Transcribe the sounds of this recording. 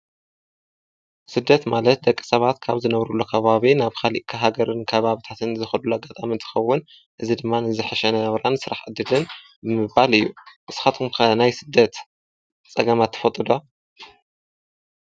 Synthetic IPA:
sɨd̪ːɐt̪malɐt̪̚d̪ɐkʼːi̥sɐβat̪kʰaβzɨnɐβɾulːokʰɐβaβinaβkʰaliʔkʰɐɦaɡɐɾɨnkʰɐβaβit̪ʰat̪ʰɨnzɨxɐlulːuaɡat̪ʼamint̪ʰɨ̥xɐwːʊn | ʔɨzid̪ɨmːanɨzɨħɨʃɛnɐβɾansɨɾaħʕɨd̪ːɨlɨn | bɨmɨβalɨjːuʔɨsxat̪ʰumkʰɐnajsɨd̪ːɐt̪ | t͡sʼɐɡɐmat̪ʰːɨ̥fɐt̪ʼɨd̪o

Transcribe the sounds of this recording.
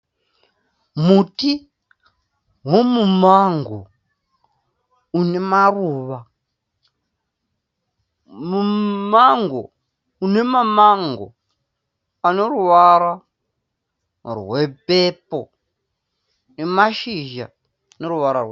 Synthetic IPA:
muti | ɦwomumaŋɡo̰ | unemaruːβa | mumaŋɡo̰ | une̞mamaŋɡo̰ | aneɾuʋaɾa | rwepepo̰ | nemaʃiʒa̰ | neɾuʋaɾa̰rwe

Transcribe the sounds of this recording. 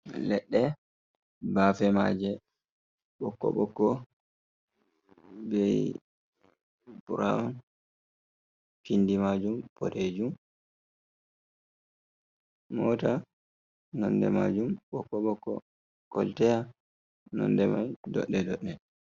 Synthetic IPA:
lɛɗːɛ | baːfɛmad͡ʒɛ | ɓɔkːɔ̰ɓɔkːɔ | bɛj | buɾaɔn | kindimad͡ʒumpɔ̰ɾed͡ʒum | ɔta | nɔndɛmad͡ʒumɓɔkːɔɓɔkːɔ̰ | kɔltɛja | nɔ̰ndɛma̰jdɔ̰ɗːɛdɔɗːɛ

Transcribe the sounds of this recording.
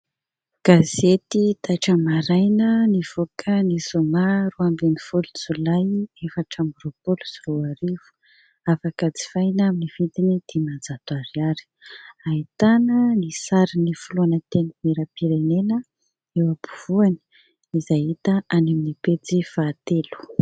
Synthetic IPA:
ɡ̥azet̪it̪aʈ͡ʂəmaɾajnəniv̥okʰənisomaɾuambenifulut͡sulajefəʈ͡ʂambuɾopoluziroaɾivu̥ | afakət͡si̥fajnaminiv̥id̪inid̪̥emad͡zat̪aɾiaɾi̥ait̪anənisaɾinifuloanət̪enəmeɾəpiɾenenə | ewapuv̥uani̥ | izajɦit̪əaneminipet͡sifaːt̪elu̥

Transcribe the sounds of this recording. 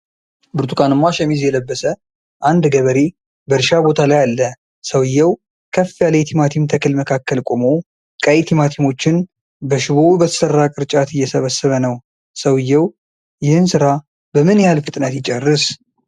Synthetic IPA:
bɨɾt̪ʰukʼanɨmːaʃɛmizjɛləbːəsə | ʔand̪ɡəβəɾe | bəɾʃabo̞t̪ʰalajalːə | səwjːɛw | kʰəfːijalajt̪ʰimat̪ʰimt̪ʰəkʰɨlməkʰakːəlkʼomo̞ | kʼəjt̪ʰimat̪ʰimo̞t͡ʃːɪn | bəʃɪβobət̪ʰə̥sərːakʼɨɾt͡ʃʼat̪ɨjːɛsəβəsːəβənəw | səwjːɛw | jɪhɨnsɨɾa | bəmɨnjɛhalfɨt̪ʼnət̪jɪt͡ʃʼɛrːɨs

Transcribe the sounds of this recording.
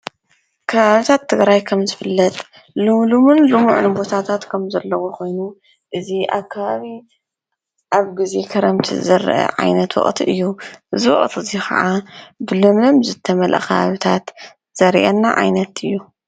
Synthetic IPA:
kʰɐβaβit̪ʰat̪ʰːɨɡɾajkʰɐmzɨfɨlːɐt̪ʼ | lumlumunlumṵʕnbo̞t̪ʰat̪ʰat̪kʰɐmzɐlːɐwokʰo̞jnu | ʔɨziʔa̰kʰːaβaβi | ʔaβɡize̞kʰɐɾɐmt̪ʰḭzɐɾ̰ʔɐ̰ʕa̰jnɐt̪wɔ̰χʼt̪ʰiʔɨjːuʔɨziwɔ̰χʼt̪ʰɨzixʰɐ̰ʕabɨlɨmlɐmzɨt̪ʰːɐmɐlʔɐ̰kʰɐβa̰βit̪ʰat̪ | z̥ɐɾiʔɐnːaʕa̰jnɐt̪ɨjːu

